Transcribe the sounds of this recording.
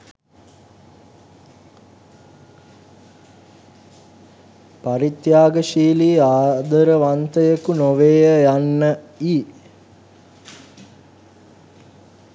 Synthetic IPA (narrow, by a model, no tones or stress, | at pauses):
paɾit̪jaːɡəʃiːliːaːd̪əɾəʋant̪əjəkunoʋeːjəjanːəiː